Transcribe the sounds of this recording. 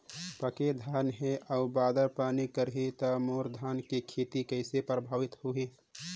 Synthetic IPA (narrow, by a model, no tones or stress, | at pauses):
pəked̪ʱaːnɦeʔəubaːd̪əɾpaːnikəɾɦit̪ɐmoːɾd̪ʱaːnkikʰeːt̪ikəɪsepɾəbʱaːʋɪt̪hueː